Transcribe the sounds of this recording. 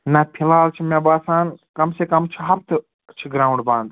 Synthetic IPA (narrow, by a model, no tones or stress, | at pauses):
nɐpʰilaːlt͡ʃʰimãbaːsaːnkɐmseːkɐmt͡ʃʰiɦɐpt̪ | t͡ʃʰiɡɾaːũɳɖbãːnd̪